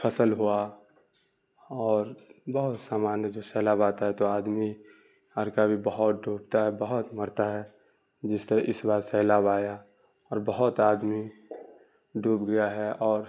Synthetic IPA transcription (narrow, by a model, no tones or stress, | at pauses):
pʰəsəlɦua | ɔːɾbɐɦʊt̪saːmaːnjəd͡ʒoːsɛːlaːbaːt̪aɦɛt̪oaːd̪mi | əɾkabʱibɐɦʊt̪ɖuːb̚t̪aɦɛbəɦʊt̪məɾt̪aɦɛ | d͡ʒɪst̪əɾɛ̃ʔɪsbaːɾsɛːlaːbaːja | ɔːɾbəɦʊt̪aːd̪mi | ɖuːpɡɐjaɦɛʔɔːɾ